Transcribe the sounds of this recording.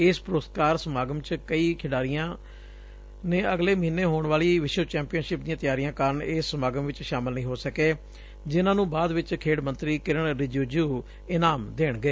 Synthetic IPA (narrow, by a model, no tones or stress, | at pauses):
ɪːspɾoːskaːɾsəmaːɡəmt͡ʃkəiːkʰɪɽaːɾijãː | nẽːəɡleːməɦiːnːeːɦoːɳʋaːliːʋɪʃət͡ʃɛ̃ːmpiənʃɪp̚d̪ĩːãːt̪jaːɾijãːkaːɾəɳeːsːəmaːɡəmʋɪt͡ʃʃaːmɪlnəɦĩːɦoːsəkeː | d͡ʒɪnãːnũːbaːd̪ʋɪt͡ʃkʰeːɽmə̃nt̪ɾiːkɪɾəɳɾɪd͡ʒuːd͡ʒuː | ɪnaːmd̪eːɳɡəeː